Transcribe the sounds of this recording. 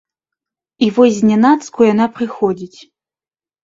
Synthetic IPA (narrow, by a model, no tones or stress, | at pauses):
ivɔzʲnʲɛnat̪skujanapɾɨxɔd͡zʲit͡sʲ